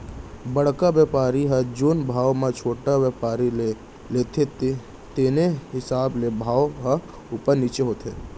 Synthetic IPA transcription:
bəɽ̤kaʋjɛpaːɾiɦəd͡ʒoːnbʱaːʋmãt͡ʃʰoːʈaʋjəpaːɾile | leːt̪ʰet̪ | t̪eːneɦɪsaːblebʱaːwɦə | ʊpəɾnit͡ʃeɦoːt̪e

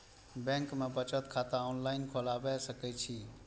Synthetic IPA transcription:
bɛ̃ːŋkmẽbət͡ʃət̪kʰaːt̪ãoːnlaːɪnkʰoːlaːbɛːsəkɛːt͡ʃʰiː

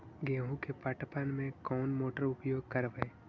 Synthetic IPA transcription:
ɡẽːɦũkepaːʈpanmẽkɔːnmoːʈəɾʊpjoːɡ̚kəɾʋəe

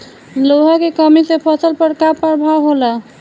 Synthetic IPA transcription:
loɦakekəmisepʰəsəlpəɾkapəɾbʱawɦola

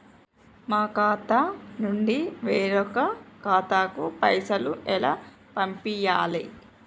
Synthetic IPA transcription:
maːkaːt̪ɐnuɳɖiʋeːɾɔkɐkaːt̪aːkupɐjsɐluʔɛlaː | pɐmpijaːli

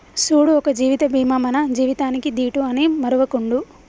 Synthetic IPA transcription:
suːɽuɔkɐd͡ʒiːʋit̪ɐbʱiːmɐmɐnɐd͡ʒiːʋit̪aːnikid̪iːʈuɐneːmɐɾuʋɐkuɳɖu

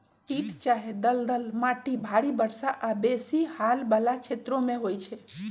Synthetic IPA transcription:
piʈt͡ʃaɦed̪əld̪əlmaʈibʱaɽibəɾsaʔabesihalbalat͡ʃʰet̪ɾõmẽɦojt͡ʃʰɛ

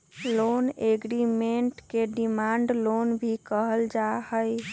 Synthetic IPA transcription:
loneɡɾimeɳʈkeɖimaɳɖlonbʱikəɦəld͡ʒahəj

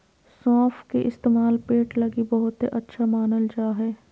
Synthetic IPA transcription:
sɔːfʰkeʔɪst̪eːmaːlpeːʈlɐɡibɐɦʊt̪eʔɐtːʃʰamaːnəld͡ʒaːɦɛː

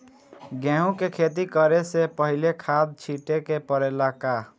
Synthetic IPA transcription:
ɡeɦũkekʰet̪ikʌɾesepəɦilekʰad̪̚t͡ʃʰiʈekepəɾelaka

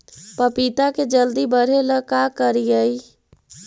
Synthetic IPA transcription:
pəpit̪aked͡ʒəld̪ibəɾ̤eləkakəɾijəj

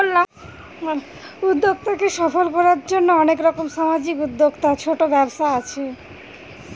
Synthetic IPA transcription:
olla | ud̪ːoɡ̚t̪akeʃɔfolkɔɾaɾd͡ʑonːoɔnekɾɔkomʃamad͡ʑikud̪ːoɡt̪at͡ɕʰoʈobɛbʃaat͡ɕʰe

